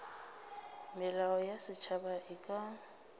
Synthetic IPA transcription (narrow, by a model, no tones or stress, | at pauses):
mɪlaɔjasɪt͡ʃʰabaʔɪkʼa